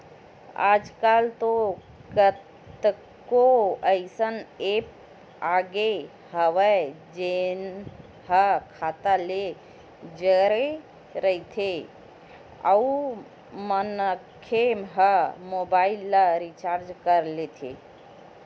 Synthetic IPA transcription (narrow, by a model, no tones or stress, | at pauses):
a̰ːd͡ʒkaːlt̪o | ɡətt̪ | koəɪsəneːp̚ | aːɡe | həʋə | d͡ʒen | ɦəkʰat̪ale | d͡ʒəɾe | ɾəit̪ʰe | ə̰u | mənəkʰemɦəmobaːɪlːaɾit͡ʃaːɾd͡ʒkəɾlet̪ʰḛ